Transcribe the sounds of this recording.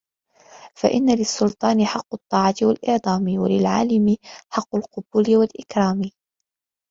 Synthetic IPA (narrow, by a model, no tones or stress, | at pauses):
fa̰ʔɪ̰nːalɪsːʊlt̪ˤɑːnɪħɑqːʊt̪ˤːɑːʕɑt̪ɪwalʔɪʕd̪ˤɑːmɪwalɪlʕa̰ːlɪmɪħɑqːʊlqʊbʊːlɪwalʔɪkɾˤɑːmɪ